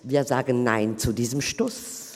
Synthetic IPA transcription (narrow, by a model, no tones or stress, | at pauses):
viːɐzaːɡənːaɪnt͡sudiːzəmʃtʊs